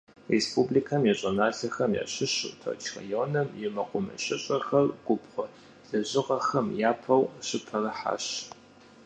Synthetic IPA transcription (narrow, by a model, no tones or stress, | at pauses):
respʰublikʰɐmjɛɕʼɐnaːɬɐxɐmja̰ːɕɪɕɨ̰tʰɐ̰t͡ʃʰxɐ̰joːnɐmjɛmɐqʷʊmɐ̰ɕʼɪɕʼɐxɐrɡ̥ʷʊpqʷɔ | ɮ̥ɐʑɪʁɐxɐmjaːpʰɐwɕɪpʰɐrɐħa̰ːɕ